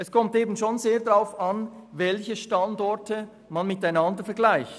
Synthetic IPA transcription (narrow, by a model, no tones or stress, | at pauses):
ʔɛskʰɔmteːbn̩ʃoːnzeːɐdʁaʊfɑnvɛlçəʃtɑndɔɐtə | manmɪtaɪnɑndəfɛɐɡlaɪçt